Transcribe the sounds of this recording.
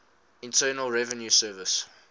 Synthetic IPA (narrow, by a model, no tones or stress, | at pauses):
ɪ̃ntʰɜːnəlˠɹɛvə̃njusɜːvəs